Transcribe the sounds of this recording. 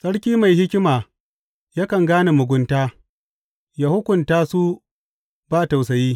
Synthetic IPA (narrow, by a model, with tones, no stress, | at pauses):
sʼɐ˦ɽkʲiː˦ma˨jhɪ˦kʲɪ˦maː˨ | ja˦kɐ˨ŋɡaː˦na˨mʊ˨ɡʷʊ˨ntaː˦ | ja˨hʊ˦kʷʊ˨ntaː˦su˦ | baː˦˨ta˨wsɐ˨jiː˦